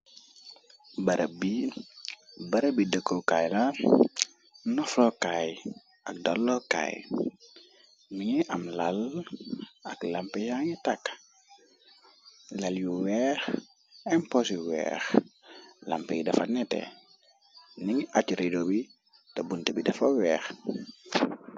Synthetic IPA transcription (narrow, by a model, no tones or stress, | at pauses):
bɐɾʔəbi | bɐɾəbidəkːokajla | nɔflɔkaj | ɐk̚dalːoka̰j | miɲiʔɐmlal | ɐklampɛjaŋitak | laljuwɛx | ɛmpɔsiwɛ̰ːx | la̰mpejidɐfanɛtḛ | niŋat͡ʃuɾidobi | tabuntebidɐfowɛːx